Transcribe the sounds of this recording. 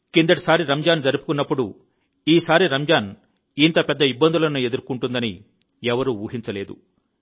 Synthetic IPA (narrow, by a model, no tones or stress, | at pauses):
kind̪ɐʈi̥saːɾiɾɐmd͡ʒaːnd͡ʒɐɾipu̥kunːɐpːuɽu | iːsaːɾiɾɐmd͡ʒaːn | int̪ɐpɛd̪ːɐibːɐnd̪ulɐnue̞d̪uɾkuɳʈund̪ɐni | ɛʋɐɾuuːɦint͡ʃɐle̞ːd̪ṵ